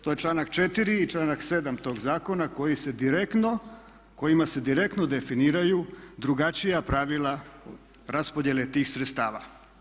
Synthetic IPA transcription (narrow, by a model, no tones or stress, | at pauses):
t̪ojet͡ʃlˠaːnakt͡ʃet̪iɾiːt͡ʃlˠaːnakse̞d̪amt̪o̞ːɡzaːko̞nako̞jise̞d̪iɾekno | ko̞jimase̞d̪iɾe̞k̚t̪no̞d̪e̞finiːɾajud̪ɾuɡat͡ʃijapɾaʋila | ɾaspo̞d̪je̞le̞t̪iːxsɾet̪st̪aːʋa